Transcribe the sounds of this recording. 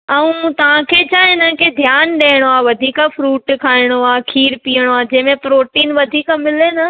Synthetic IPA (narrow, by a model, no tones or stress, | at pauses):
ɐũt̪ɐʋ̤ãkʰet͡ɕʰaːɪnənɪ̆ked̪ʱjaːnɗeːɽ̃oaːʋɐd̪ʱiːkafɾuːʈkʰaːɪɽ̃oaːkʰiːɾpiːəɽ̃oaːd͡ʑɐ̃ɦɪ̃mẽpɾoːʈiːnʋɐd̪ʱiːkəmɪlenɐ